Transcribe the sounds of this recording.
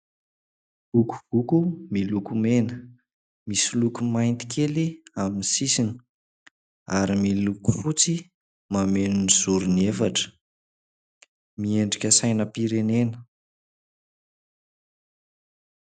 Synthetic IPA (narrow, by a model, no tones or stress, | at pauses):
vuku̥vukumilukumenə | misilukumajnt̪i̥kʰʲeliaminisisini̥ | aɾimiluku̥fut͡si | mamenuniz̥uɾunefaʈ͡ʂə̥ | mieɳɖ͡ʐikʲəsajnəpiɾenenə̥